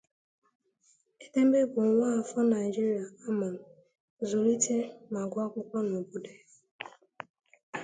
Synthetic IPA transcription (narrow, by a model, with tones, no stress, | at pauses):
e˦de˦m̩˦be˦bʊ˨˦a˦˨fɔ˦na˨ɪ˨d͡ʒi˦ɾi˨a˨a˦ma˨n̩˨ | zʊ˨li˦te˦ma˨ɡʷa˦kʷʊ˦kʷɔ˦no˨bu˦de˦